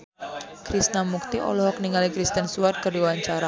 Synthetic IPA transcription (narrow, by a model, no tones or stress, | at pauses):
kɾisnamuk̚t̪iʔɔ̰lɔɦɔkniŋalikɾist̪ənsuart̪̚kərdiwaɲt͡ʃaɾa